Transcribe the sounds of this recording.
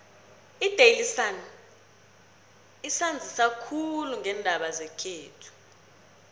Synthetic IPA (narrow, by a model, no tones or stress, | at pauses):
id̥ʱejlisan | isand͡zʱisakʰuluŋɛndʱaɓazɛkʰeːtʰu̥